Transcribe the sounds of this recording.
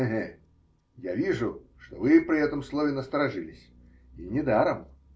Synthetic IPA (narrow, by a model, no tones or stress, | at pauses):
ɦɛ | javʲiʐʊʂt̪ɔvɨpɾʲɪɛt̪əmslˠovʲɪnəst̪əɾaʐɨlʲɪsʲ | inʲɪd̪aɾəm